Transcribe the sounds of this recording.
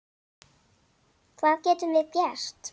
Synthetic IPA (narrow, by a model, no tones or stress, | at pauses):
kʰvaːðcɛːt̪ʏmvɪðpjɛr̥t̪